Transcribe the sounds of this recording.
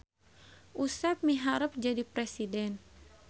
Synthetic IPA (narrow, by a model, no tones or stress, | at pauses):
ʔusap̚miɦaɾəp̚d͡ʒadipɾɛsidɛn